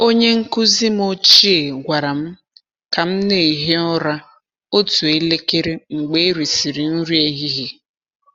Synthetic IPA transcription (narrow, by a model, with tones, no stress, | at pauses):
o˦ɲe˦ŋ̩˦kʊ˦zi˦m˦o˦t͡ʃi˦e˨ɡʷa˨ɾa˨m̩˦ | ka˨m̩˦ne˨i˨ɦe˦ɔ˦ɾa˦ | o˦tu˨e˦le˦ke˦ɾe˦ŋ͡m̩˨ɡ͡be˦e˦ɾi˨si˨ɾi˨n̩˦ɾi˦e˦ɦi˦ɦe˦